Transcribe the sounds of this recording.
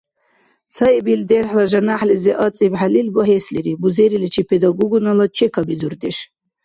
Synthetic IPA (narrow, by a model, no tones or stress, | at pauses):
saibild̪ɛrħlaʒanaħlɛzɛʔat͡sʼibħalilwaɦɛsliɾibuzɛɾilit͡ʃʰipʰɛd̪aɡɔɡɔnalat͡ʃʰɛkʰabizuɾd̪ɛʃ